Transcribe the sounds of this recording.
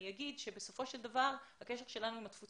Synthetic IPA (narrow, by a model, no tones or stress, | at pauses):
jaɡid̪ʃe̞be̞so̞fo̞ʃe̞ld̪avaʁhakeʃeʁʃe̞lanuimat̪fut͡s